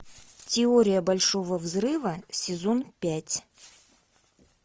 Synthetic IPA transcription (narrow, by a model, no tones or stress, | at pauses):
tʲɪoɾʲɪjəbɐlʲʂovəvzrɨvəsʲɪzonpʲætʲ